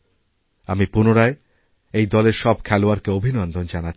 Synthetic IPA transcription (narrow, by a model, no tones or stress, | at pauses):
amipunoɾae | ejd̪ɔleɾʃɔb̚kʰɛloaɾkeobʱinɔnd̪ond͡ʑana